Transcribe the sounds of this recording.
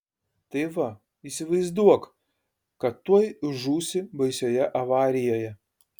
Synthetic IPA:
t̪ɐɪʋɐ | iːsʲɪʋɐɪzd̪uɔk | kɐt̪ːuɔjʒuːsʲɪbɐɪsʲoːjɛʔɐʋɑːɾʲɪjoːjɛ

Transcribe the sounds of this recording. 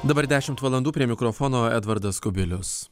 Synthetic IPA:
d̪ɐbɐɾd̪ʲæːʃʲɪmt̪ʋɐlˠɐnd̪uːpʲɾʲiɛmʲɪkɾɔfɔnoːɛ̰d̪ʋɐɾd̪ɐskʊbʲɪlʲʊs

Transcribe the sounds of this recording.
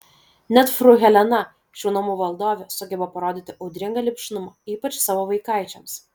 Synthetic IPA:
nʲɛt̪fɾʊɣʲɛlʲɛnɐ | ʃʲuːnɐmʊʋɐlˠd̪oːʋʲɛsʊɡʲɛbɐpɐɾoːd̪ʲɪt̪ʲɪʔɒʊd̪ʲɾʲɪŋɡɐlʲɪpʲʃʲɪnʊmɐiːpɐt͡ʃsɑːʋoːʋɐɪkɑˑɪt͡ʃʲɛms

